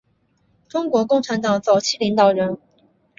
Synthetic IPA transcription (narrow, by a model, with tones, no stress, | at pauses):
ʈ͡ʂʊ˥ŋkwɔ˧˥kʊ˥˩ŋʈ͡ʂʰa˧˥nt̪ɑ˨˩ŋt͡sɑ˨˩ʊt͡ɕʰi˥˩li˧˥ŋt̪ɑ˨˩ʊɻə˧˥n